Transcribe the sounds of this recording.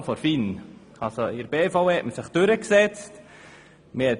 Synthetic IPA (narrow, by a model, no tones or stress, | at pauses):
fɔɾfin | ɑlsoɪɾbeːfaʊɛtməsɪχd̥øɾəksɛt͡st | məhɛt